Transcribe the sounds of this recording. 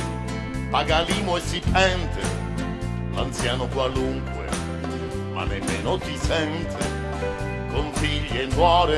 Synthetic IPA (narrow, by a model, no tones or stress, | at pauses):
paɡaliːmʊɛsːipɛnt̪ʰḛ | la̰nt̪sjaːnʊkwaluŋkwḛ | ma̰nːemːḛːnʊt̪isɛnt̪ʰḛ | kʊɱfiʎːnːwɔːɾe